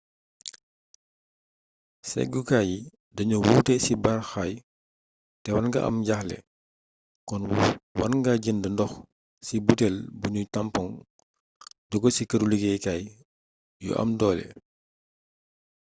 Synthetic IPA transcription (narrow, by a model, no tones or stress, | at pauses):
sɛ̰ɡukaji | dɐɲuwuːtɛsibarxaj | tɛwanɡɐʔɐ̰mɟaxlɛ̰ | kɔnwɐnŋɡaɟindəndɔx | sibutɛlbuɲutampɔŋ | dɔɡɔsikɐɾuliɡɛjkaj | jɔ̰ʔɐ̰mdɔːlɛ̰